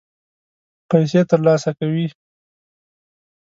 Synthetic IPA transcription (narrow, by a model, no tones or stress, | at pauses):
pajs̬et̪əɾlɑsakawi